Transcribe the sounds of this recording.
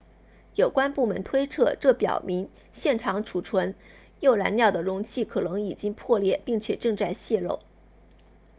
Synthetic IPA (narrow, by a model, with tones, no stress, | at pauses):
jo˨˩ʊkwa˥npu˥˩mə̰˧˥nt̪ʰwe˥ɪt͡sʰɤ˥˧ʈ͡ʂɤ˥˩pjɑ̰˨˩ʊmi˧˥ŋ | ɕjɛ˥˩nʈ͡ʂʰɑ˧˥ŋʈ͡ʂʰu˨˩ʈ͡ʂʰwə˧˥n | jo˥˩ʊɻa̰˧˥nljɑ˥˩ʊd̪ə˩ɻʊ˧˥ŋt͡ɕʰi˥˩kʰɤ˨˩nɤ˧˥ŋi˨˩t͡ɕi˥ŋpʰwɔ˥˧ljɛ˥˩pi˥˩ŋt͡ɕʰjɛ̰˨˩ʈ͡ʂɤ˥˧ŋt͡sa˥˧ɪɕjɛ˥˧ɻo̰˥˩ʊ